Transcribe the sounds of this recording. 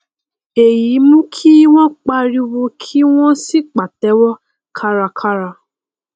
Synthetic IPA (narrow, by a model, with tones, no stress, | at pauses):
e˨ji˨˦mũ˦kʰi˦w̃ɔ̃˦k͡pa˧ɾi˧wo˧kʰi˦w̃ɔ̃˦si˦k͡pa˨tɛ˨˦wɔ˦ | kʰa˦ɾa˧kʰa˦ɾa˧